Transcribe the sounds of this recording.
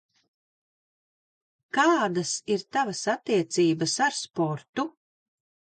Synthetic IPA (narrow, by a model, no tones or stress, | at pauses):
kaːd̪asiɾt̪avasat̪ːiɛt̪siːbɐsaɾspɔɾt̪u